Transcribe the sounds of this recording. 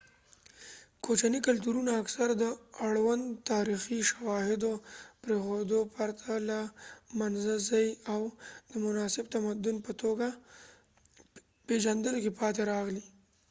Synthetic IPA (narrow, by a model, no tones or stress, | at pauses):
kʰot͡ʃanikalt̪uɾunaːksaɾd̪əaɽwand̪t̪ɑɾixiʃawɑhɪd̪opɾexod̪opaɾt̪ʰalamanzazajawd̪̥əmʊnɑsɪb̚t̪amad̪ʊnpət̪oɡa | peʒand̪əlokipɑt̪eɾɑɣli